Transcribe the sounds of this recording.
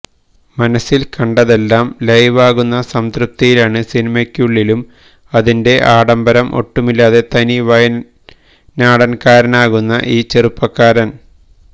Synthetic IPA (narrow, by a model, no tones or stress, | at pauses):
mɐnɐsːilkɐɳɖɐðe̞lːaːmlɐjʋaːɣunːɐsɐmt̪rup̚t̪ijilaːɳɨsinimɐkʲːuɭːilum | ɐðinde̞ʔaːɽɐmbɐɾɐmʔo̞̰ʈːumilːaːðe̞t̪ɐniʋɐj | naːɽɐnkaːɾɐnaːɣunːɐ̰ʔiːt͡ɕerupːɐkːaːɾɐn